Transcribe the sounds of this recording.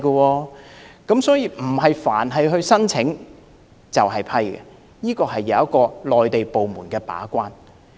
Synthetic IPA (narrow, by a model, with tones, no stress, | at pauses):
kɔ˧wɔː˧kɐ˨˥msɔː˨˥jiː˧m̩˨˩ɦɐ˨jfaː˨˩nɦɐ˨jɦɵ˧ɥsɐ˥nt͡sʰɪ˨˥ŋ | t͡sɐ˨wɦɐ˨jpʰɐ˥jkɛ̰˨ | jiː˥kɔː˧ɦɐ˨jːɐ˨˧wɐ˥t̚kːɔː˧lɔː˨jt̪e˨jpo˨wmuː˨˩nkɛː˧pa̰ː˨˥kʷaː˥n